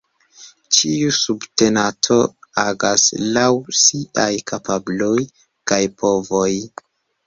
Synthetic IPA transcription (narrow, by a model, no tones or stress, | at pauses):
t͡ʃiusubte̞natʰo̞aɡaslawsiʔajkapabloj | kajpʰo̞vo̞j